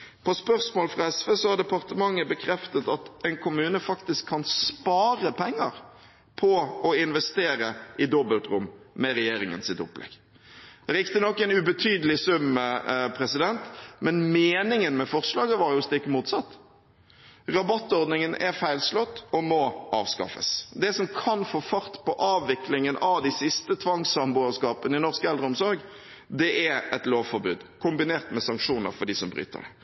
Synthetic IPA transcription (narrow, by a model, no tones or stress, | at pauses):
pʰɔspœʁsmoːlfɾɑɛsʋeːsɔɑɾd̪ɛpɑʁt̪əmɑŋːəbəkʰɾɛft̪ət̪ɑt̪ɛɪnkʰʊmʉːnəfɑkt̪ɪskʰːɑnspɑːɾəpʰɛŋːə̰ɾ | pʰɔɔɪnʋɛst̪eːɾəʔɪd̪ɔbəlt̪ɾʊmːɛɾɛjeːɾɪŋə̰nsɪt̪ʊ̰plɛ̰ɡ̥ | d̪̥ɛɾɪkt̪ənɔkːɛɪnʉbət̪ʰyːd̪əlɪsʉmːpʰɾɛsɪd̪ɛnt̪mɛnmeːnɪŋənmɛfɔʁʂlɑːɡəʋɑɾjʊst̪ɪkːmuːt̪sɑt̪ː | ʁɑbɑt̪ːɔɾd̪nɪŋənʔɛɾfæɪlslɔt̪ːɔmɔʔɑ̰ːʋskɑ̰fə̰sd̪ɛsɔmkʰɑnfoːfɑɾt̪pʰɔʔɑːʋːɪklɪŋənɑʋd̪isɪst̪ət̪ʰʋɑŋsɑmbʊəskɑːpənəɪnɔʁskəɛld̪ʁɾəɔmsɔɾɡ | d̪ɛʔɛɛt̪loːʋfɔɾbʉːd̪kʰʊmbɪneːʁt̪mɛsɑŋkʂuːnə̰ɾfɔɖiːsɔmbɾy̰ːt̪ə̰ɖɛ̰